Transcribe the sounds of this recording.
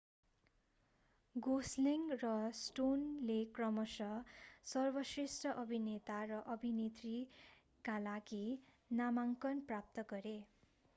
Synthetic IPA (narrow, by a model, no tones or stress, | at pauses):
ɡosleŋrʌsʈonlekrʌmʌsʌsʌrbʌsresʈʌʔʌbʱinet̪arʌʔʌbʱinet̪ri | kalaɡi | namaŋkʌnprap̚t̪ʌɡʌɾe